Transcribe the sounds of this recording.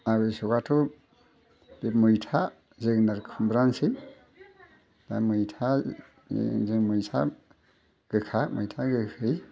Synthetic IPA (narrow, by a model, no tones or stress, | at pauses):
aɡɯjsɔɡatʰu | bemɯjtʰa | zɯɡnaɾkʰɯmbɾansɯ | d̥amɯjtʰa̰ | zɯŋmɯjtʰa̰ | ɡ̥ɯkʰamɯjtʰaɡɯkʰɯj